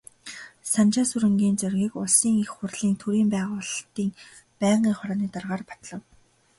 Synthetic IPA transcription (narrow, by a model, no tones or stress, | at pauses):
sant͡ɕaːsuɾɘ̆ŋɡʲiːnt͡sœrɣʲiːkʊɮsiːŋixχʊrɮ̥iːŋt̪ʰuɾiːmpæːʁʊːɮt̪iːŋ | pæːɴɢiːŋχɔɾɔːniːt̪arʁaːrpḁt̪ɮə̆w